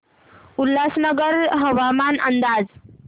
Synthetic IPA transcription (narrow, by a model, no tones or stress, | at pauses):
ulːasnəɡəɾɦəʋamanənd̪ad͡z